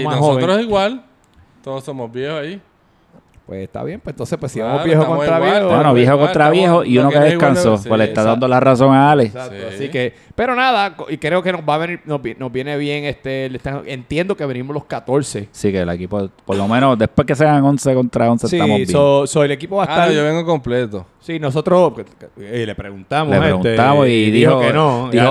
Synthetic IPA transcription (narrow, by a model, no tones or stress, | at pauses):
manhoɾosiɣwal | t̪oðosomobjehosai | pwḛsest̪a̰βjempwent̪onsepwesːiamobjehokõt̪ɾaβjehoenoβjehokont̪ɾaβjehoʔiunokeðekansowelet̪aðand̪olaraso̞ŋaalest̪oasike | pe̞ɾo̞naðakikɾeokenobaβeniɾnobnozbje̞neβje̞ŋest̪elet̪aent̪jend̪okeβenimolo̞skat̪o̞ɾsesikelekipopoɾlomẽnod̪epwehkes̬eaŋo̞nseko̞nt̪ɾaonsest̪amobjosoelekipoβaet̪ajoβeŋɡokomplet̪osinosot̪ɾo | lepɾeɣunt̪amolepɾeɣunt̪amosiðihooenoiho